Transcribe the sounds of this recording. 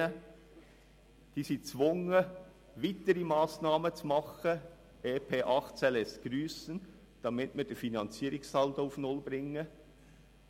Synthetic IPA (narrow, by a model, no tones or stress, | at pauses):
ə | d̥iːsiːt͡sʋʊŋə | ʋitəɾimɑːsnɑːmət͡sumɑχə | eːpʰeːʔɑχtt͡sɛlɛsɡ̥ɾyːsən | d̥ɑmɪtməd̥ɛfinɑnt͡siːɾɪksɑlt̪ufnʊlbɾɪŋːə